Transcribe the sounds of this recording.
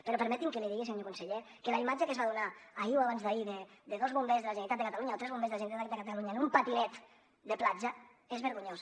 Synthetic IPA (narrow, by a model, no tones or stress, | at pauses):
peɾopəɾmɛt̪imkəliðiɣesimɲokunseʎe | kelaimad͡ʒekəzβaðunaaiwaβanzðaiðed̪eðozβumbezðəlaʒenit̪at̪əkat̪aluɲaot̪ɾɛzβombezðelaʒenit̪at̪kat̪ðekat̪aluɲaenumpat̪inɛt̪ | d̪əplad͡ʒə | ezβəɾɣuɲos